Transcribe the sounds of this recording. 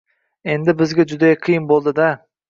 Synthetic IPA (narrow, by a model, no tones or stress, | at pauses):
e̞nd̪ɪbɪzɡʲad͡ʒʊd̪ajqʰɨjɨnbolˠd̪ɪd̪a